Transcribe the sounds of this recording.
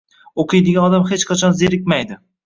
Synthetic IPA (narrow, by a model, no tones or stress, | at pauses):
oqʰɨjd̪eɡʲanɒd̪amhet͡ʃqʰat͡ʃʰɒnzeɾɪkʲmajd̪ɪ